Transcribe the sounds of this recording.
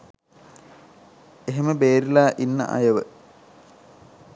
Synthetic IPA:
eɦeməbeːɾilaːʔinːə̰ʔa̰jəʋə

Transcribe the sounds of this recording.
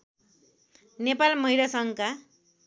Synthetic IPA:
nepalmʌɦiɾasʌŋka

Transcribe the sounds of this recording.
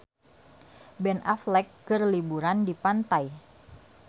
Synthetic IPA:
bɛnʔaflɛkːərlibuɾandipant̪aj

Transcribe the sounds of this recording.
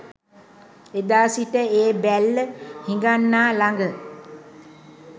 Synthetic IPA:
ed̪aːsiʈəeːbælːəhiŋɡanːaːlaŋɡə

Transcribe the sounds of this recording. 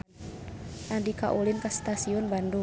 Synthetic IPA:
ʔandikaʔulinkast̪asiɔnbandu

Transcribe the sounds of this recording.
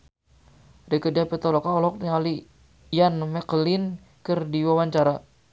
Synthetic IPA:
dɛkədiapɛt̪ɔlɔkaɔlɔk̚niŋali | janmɛklin | kɨrdiwawaɲt͡ʃaɾa

